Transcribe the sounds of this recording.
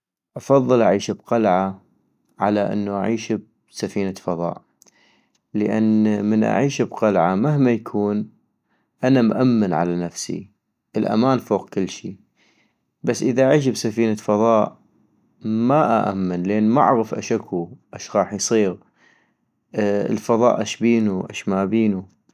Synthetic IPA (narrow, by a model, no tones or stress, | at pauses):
ʔɑfɑðˤːɨlʔaʕiːʃbqalʕa | ʕalaʔɪ̰nːuʔaʕiːʃb̚ | safiːnafɑðˤɑ̰ːʔ | ləʔa̰nːmənʔa̰ʕiːʃbqalʕamahmajakʰuːn | ʔanamʔamːɪnʕa̰lanafsḭ | ʔəlʔa̰maːnfoːqkɪlːʃi | basːʔəðaʔaʕiːʃ̬bsafiːnafɑðˤɑːʔ | maʔaʔa̰mːɪnleːnma̰ʕɣəfʔa̰ʃakʰːuʔaʃɣɑːħjsˤiːɣ | ə̰lfɑðˤɑ̰ːʔaʃbiːnuʔa̰ʃmaːbiːnu